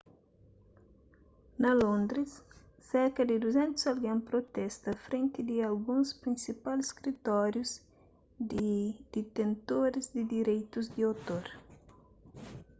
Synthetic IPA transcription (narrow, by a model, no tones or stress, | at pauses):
nɐlõnd̪ɾisː | ɛɾkɐd̪ɪd̪uzɛ̃nt̪uzalɡẽŋpɾot̪ɛst̪ɐfɾẽnt̪ɪd̪ɪalɡũnspɾĩnsipalskɾit̪ɔɾjuz | d̪ɪd̪̥it̪ẽnt̪oɾɪzd̪ɪd̪iɾejt̪uzd̪iowt̪oɾ